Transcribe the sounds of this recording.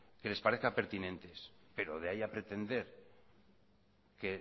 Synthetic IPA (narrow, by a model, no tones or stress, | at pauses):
ke̞le̞spaɾeθkape̞ɾt̪inẽ̞nt̪e̞spe̞ɾo̞ðeajapɾe̞t̪e̞nd̪e̞ɾ | ke̞